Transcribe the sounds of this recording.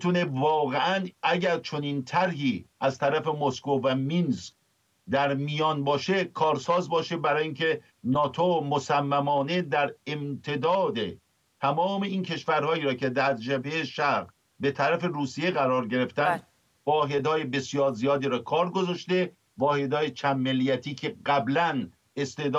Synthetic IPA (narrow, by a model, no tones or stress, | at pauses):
t̪ʰune̞vɒːɣeʔænʔæɟæɾt͡ʃʰo̞niːnt̪ʰæɾɦiːʔæzt̪ʰæɾæfe̞moskovæmins | d̪æɾmijɒːnbɒːʃe̞kʰɒːɾsɒːzbɒːʃe̞bæɾɒːjiːncʰe | nɒːt̪ʰomosæmːæmɒːne̞d̪æɾemt̪ʰe̞d̪ɒːd̪e | t̪ʰæmɒːme̞iːncʰe̞ʃvæɾhɒːiːɾɒːcʰe̞d̪æɾd͡ʒebejeʃæɾɣ | be̞t̪ʰæɾæfe̞ɾuːsije̞ɣæɾɒːɾɟe̞ɾe̞ft̪ænd̪ | vɒːɦe̞d̪hɒːje̞be̞sijɒːɾzijɒːd̪iːɾɒːkʰɒːɾɡozɒʃt̪e̞ | vɒːhe̞d̪hɒːjet͡ʃʰæmːelːijæt̪ʰiːcʰe̞ɢæblæn | e̞st̪e̞hd̪